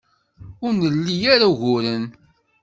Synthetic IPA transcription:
ʊɾnəlːijaɾaʝʊɾən

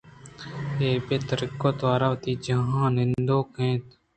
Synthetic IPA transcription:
eːpeːt̪əɾɪkːoːt̪ʋaːɾaʋt̪iːd͡ʒəɦãːnɪ̃nd̪oːkẽːt̪

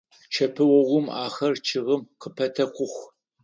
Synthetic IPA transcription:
t͡ʃʰɐpʰɨwɐʁʷʊmaːxɐrt͡ʃʰɪʁəmqəpʰɐtʰɐqʷʊxʷ

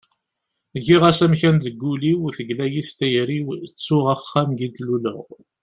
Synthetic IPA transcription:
ʝiʁæsæmçænd̪əɡːuliwθəɡlæjist̪æjɾiwt͡sːʊʁæχːæmɡid̪lulə̰ʁ

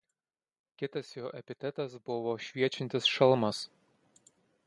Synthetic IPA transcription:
kʲɪt̪ɐsjoːʔɛpʲɪt̪ʲɛt̪ɐsbʊʋɔʃʲʋʲiɛt͡ʃʲɪnʲt̪ʲɪsʃɐlˠmɐs

